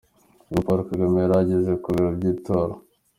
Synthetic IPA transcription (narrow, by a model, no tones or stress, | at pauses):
ɡupoɾukaɡameɾaɟezekuβiɾabɟiːtʰoːɾo